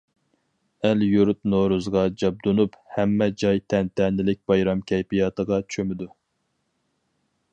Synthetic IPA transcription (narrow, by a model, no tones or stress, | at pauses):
æljuɾut̪noɾuzʁɑd͡ʒɑb̚d̪onuphɛmːɛd͡ʒɑjt̪ʰɛnt̪ʰɛnɪlɪk̚ʲbɑjɾɑmkʲʰɛjpijɑːt̪əʁɑt͡ʃʰømɪd̪u